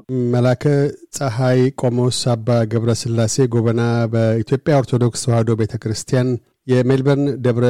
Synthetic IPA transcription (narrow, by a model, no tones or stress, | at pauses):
məlakʰəsʼəɦajkʼo̞mosabːaɡəβɾəsɨlːase̞ɡo̞βənabəit̪ʰjo̞pʼjao̞ɾt̪ʰod̪o̞kswahd̪o̞be̞t̪ʰəkɾɨst̪ʰijan | jɛmelbəɾnd̪əβɾə